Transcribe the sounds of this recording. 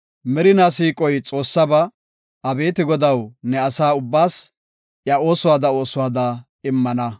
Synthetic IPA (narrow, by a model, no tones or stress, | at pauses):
mɛɾɪnaːsiːkʼːɔjt͡sʼo̞ːsːɐbɐ | ɐbe̞ːt̪ɪɡɔd̪ɐwnɛɐsaːʊbːaːs | ʔjɐo̞ːsʊwaːd̪ɐo̞ːsʊwaːd̪ɐ | ɪmːɐnɐ